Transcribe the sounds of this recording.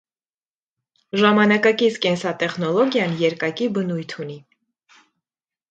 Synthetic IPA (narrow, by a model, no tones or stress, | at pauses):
ʒɑmɑnɑkɑkit͡sʰkɛnsɑt̪ɛχnɔlɔɡjɑnjɛɾkɑkibənujt̪ʰuni